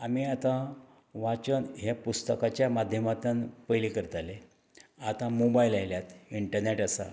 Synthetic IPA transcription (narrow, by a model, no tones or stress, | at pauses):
amiat̪ã | ʋat͡ɕənɦepust̪əkat͡ɕjamad̪ʱjəmat̪ənpəjlikəɾt̪ale | at̪ãmobajilajljat̪iɳʈəɾneʈəsa̰